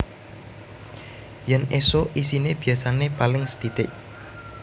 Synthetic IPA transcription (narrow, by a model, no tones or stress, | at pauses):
jɛnesoʔisineb̥iasanepalɪŋsə̥t̪it̪ɪʔ